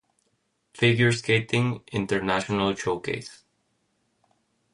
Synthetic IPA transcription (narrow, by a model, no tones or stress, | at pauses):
fɪɡjəɹskeɪtɪ̃ŋɪ̃ntəɹnæʃɔnəlt͡ʃoʊkḛɪs